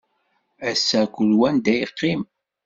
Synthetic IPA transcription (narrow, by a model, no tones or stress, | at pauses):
æsːækʷəlwænd̪æjəqːim